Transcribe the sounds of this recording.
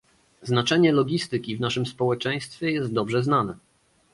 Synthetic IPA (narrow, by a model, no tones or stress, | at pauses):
znat͡ʂɛɲɛlɔɡʲist̪ɘkʲivnaʂɘmspɔwɛt͡ʂɛj̃st̪fʲjɛjɛst̪̚d̪ɔbʐɛznanɛ